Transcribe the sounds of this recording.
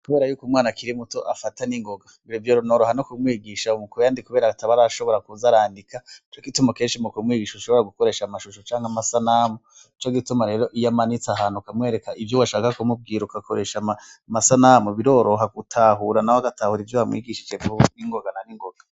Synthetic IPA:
kuβe̞ːɾajuːkumŋaːnakiɾimuto̞ʔafataniŋɡo̞ɡaβiɾivjoɾonoɾoɦanokumwiːɡiʃaumukuɾjaːndikuβe̞ːɾataβaɾaʃo̞βo̞ɾakuzaɾaːndikʰat͡ʃokitumoke̞ːnʃimukuumwiːɡiʃouʃoβoɾaɡuko̞ɾe̞ːʃamaʃuʃot͡ʃaːŋhamasanamo | it͡ʃoɡitumaɾe̞ːɾo̞ʔijamanit͡saɦaːnukamŋe̞ːɾe̞kaʔivjowaʃaːkakumub̚ɡiːɾukakʰoɾe̞ʃamamasanamuβiɾo̞ːɾo̞ɦaɡutʰaɦuɾanahoaɡatahuɾivjoβamwḭːɡiʃi̥t͡ʃevuniŋɡo̞ɡananiŋɡoɡ̥a

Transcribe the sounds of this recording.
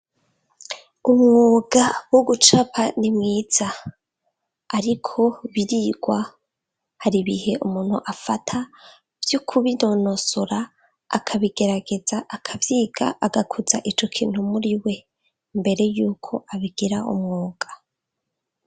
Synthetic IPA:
umŋoːɡ̥awoɡut͡ʃapʰanimŋiːz̥a | ɾikʰo̞βiɾiɡwa | haɾiβḭhe̞ʔumuːn̥hṵʔafatʰa | v̥jukʰuβino̞no̞soɾaː | kʰaβiɡe̞ɾaɡe̞zaʔakʰavjiːɡ̥a̰ʔaɡakʰuza̰ʔit͡ʃo̞kʰiːn̥humuɾiwe̞ | mbe̞ɾe̞juːkʰo̞ʔaβiɡ̥iɾaʔṵmŋoːɡ̥a

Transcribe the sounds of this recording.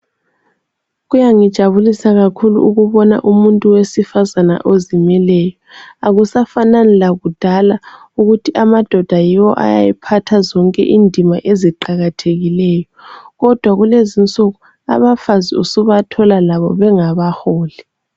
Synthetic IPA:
ɣujaŋid̥ʒ̥ʱaβulisaɣakʰulṵʔuɣuβɔna̰ʔumuntʼuwesifazana̰ʔozimɛlɛːjɔaɣusafananɛlaɣud̥ʱala | uɣutʰiʔamad̥ʱɔd̥ʱajiwɔ̰ʔa̰ja̰jɛpʰatʰazɔŋkʼɛ̰ʔindʱimaʔeziǃaɣatʰeɣilɛːjɔɣɔd̥ʱwaɣulezint͡sʼɔɣu | a̰βafaziusuβatʰɔlalaβɔβɛŋaβahoːli

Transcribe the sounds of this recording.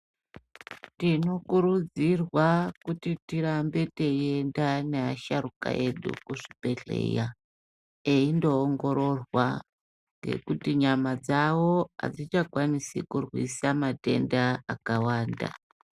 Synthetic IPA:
tino̞kuɾud͡zirwakutitiɾambe̞teendaneaʃaɾuka̰ʔe̞ɗṵkuʐipe̞ɮe̞̰ja | eindo̞ːŋɡo̞ɾo̞rwa | ŋɡe̞̰kutiɲamad͡zawo̞a̰d͡zit͡ʃakwanisikurwisamate̞̰ndaakawaːnda̰

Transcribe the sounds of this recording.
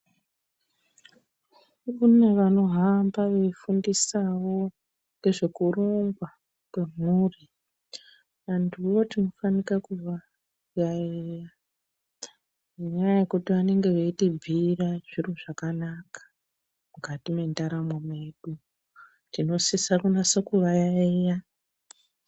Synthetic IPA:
kune̞ʋano̞ɦambaʋeifundisawo̞ | ne̞ʐe̞kuroŋɡwa | kwe̞m̤uri | ʋanduʋo̞tino̞fanikakuʋa | ɡaira | iɲajaje̞kutiʋane̞ŋɡe̞ʋeitibʱiraʐiruʐakanakḁ | mukatime̞ndaɾamwomeɗu | tino̞sisakunasakuʋajaeja

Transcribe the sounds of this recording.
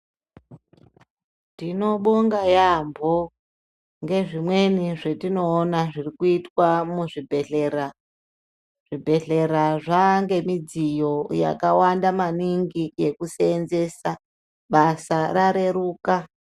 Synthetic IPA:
tino̞ɓoŋɡajambʱo | ŋɡe̞ʐimwe̞niʐe̞tino̞ːnaʐirikuitwamuʐibʱeɬera | ʐ̥ibʱe̞ɬe̞ɾaʐaŋɡe̞mid͡zijo̞ja̰kawandamaniŋɡijekuseːnze̞sa | ɓasaɾaɾe̞ɾuːka

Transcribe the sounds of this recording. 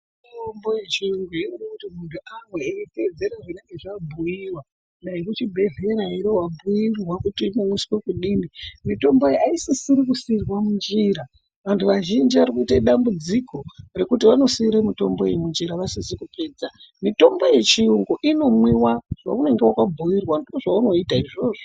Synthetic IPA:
itombojet͡ʃiuŋɡuiirikutimuntʰuʔamweeite̞d͡zeɾaʐineŋɡe̞ʐabʱujiwa | naikut͡ʃibʱe̞ɮe̞ɾaiɾowabʱujirwakutiːmomwuskwekuɗimbimito̞mbo̞jeaisisiɾikusirwamund͡ʒiɾa | ʋantʰuʋaʒind͡ʒiʋarikuitaiɗambud͡zikʰo̞re̞kutiʋano̞siiɾamito̞mbo̞eimund͡ʒiɾaʋasizikupe̞ːd͡za | mito̞mbo̞jet͡ʃiuŋɡoʔino̞mwiwaʐ̥a̰une̞ŋɡewakabʱuirwandoʐauno̞itaiʐo̞ːʐo

